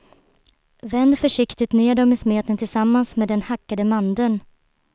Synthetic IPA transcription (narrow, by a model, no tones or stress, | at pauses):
vɛnd̪fœʂɪkt̪ɪt̪neːd̪ɔmɪsmeːt̪ənt̪ʰɪlsamːansmeːd̪ɛnhakːad̪əmand̪ən